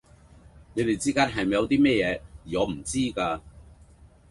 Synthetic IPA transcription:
ne˨˧jt̪e˨jt͡siː˥kaː˥nɦɐ˨jm˨jɐ˨˧wt̪iː˥mɛː˥jɛː˨˧jiː˨ɔː˨˧m̩˨˩t͡siː˥kaː˧

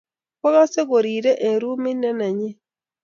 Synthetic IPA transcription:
kɔ˦ɡa˦se˦ɡo˨ɾi˨ɾe˦ʔe˨ɾu˦mɪ˦nɛ˦na˨ɲe˦

